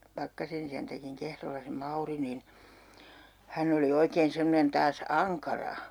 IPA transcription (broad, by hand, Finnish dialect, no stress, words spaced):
pɑkːɑsen isæntækiŋ kehrolːɑ se mɑuri nin hæn oli oikeːn semːŏnen tɑːs ɑŋkɑrɑ